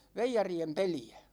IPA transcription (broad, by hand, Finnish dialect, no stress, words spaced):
ʋeijɑriem peliæ̥